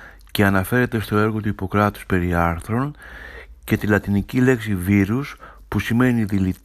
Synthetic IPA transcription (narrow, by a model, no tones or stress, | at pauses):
ce̞ɐnɐfe̞ɾe̞t̪e̞st̪o̞e̞ɾɣo̞t̪uipo̞kɾɐt̪u̥spe̞ɾiɐɾθɾo̞n | ce̞t̪ilɐt̪inicile̞ksiviɾuspusime̞niðilit̪